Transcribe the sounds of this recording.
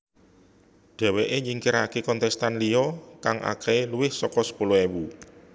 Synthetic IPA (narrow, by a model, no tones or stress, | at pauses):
ɖ̥ɛ̤weʔeɲiŋkiɾakekɔnt̪ɛst̪anliɔkaŋʔa̰kɛeluwɪhsɔkɔsə̥puloewu